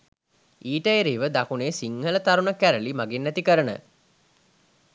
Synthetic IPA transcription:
iːʈəeɾiːʋəd̪akuneːsiŋhələt̪aɾunəkæɾəlimaɡenːæt̪ikəɾənə̰

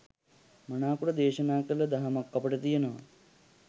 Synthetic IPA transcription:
mɐɳaːkuɽɐd̪eːʃɐnaːkɐlɐd̪ɐɦɐmɐkːɐpɐʈɐt̪ijɐnɐʋɐ̰

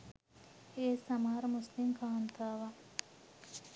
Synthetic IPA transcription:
eːsɐmaːɾmuslimkʰaːnt̪ʰaːʋa

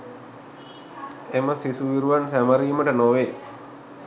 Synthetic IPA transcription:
emɐsisuʋiɾuʋansɛmɐɾimɐʈɐnoʋe

